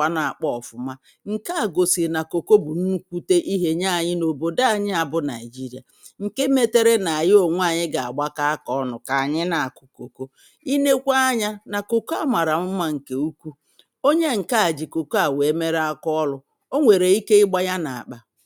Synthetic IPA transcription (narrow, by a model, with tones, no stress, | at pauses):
a˦na˨a˨k͡pɔ˦ɔ˨fʊ˨ma˦ | ŋ̩˨ka˦a˨ɡo˨si˨na˨ko˨ko˦bʊ˨n̩˦kʷu˦te˦ʔi˦ɦe˦ɲa˦˨ɲɪ˦no˨bo˨da˦a˨ɲɪ˦a˨bʊ˦na˨i˨d͡ʒi˦ɾi˨a̰˨ | ŋ̩˨ke˦me˦te˦ɾe˦na˨a˨jo˨ŋʷ˦a˨ɲɪ˦ɡa˨a̰˨ɡ͡ba˦ka˦a˦kɔ˦ɔ˦nʊ˨ka˨a˨ɲɪ˦na˨a˨kʊ˨ko˨ko˦ | i˦ne˦kʷa˦a˦ɲa˦na˨ko˨ko˦a˦˨ma˨ɾa˨m̩˦ma˦ŋ̩˨ke˦u˦kʷu˦ | o˦ɲe˦ŋ̩˨ka˦a˨d͡ʒi˨ko˨ko˦a˨we˨˦me˦ɾa˦kɔ˦lʊ˨ | o˦ŋʷe˨ɾe˨i˦ke˦ɪ˦ɡ͡ba˦ja˦na˨a̰˨k͡pa˨